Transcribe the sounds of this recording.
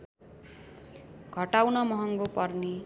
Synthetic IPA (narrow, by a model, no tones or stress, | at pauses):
ɡʱʌʈawnʌmʌɦʌŋɡopʌrni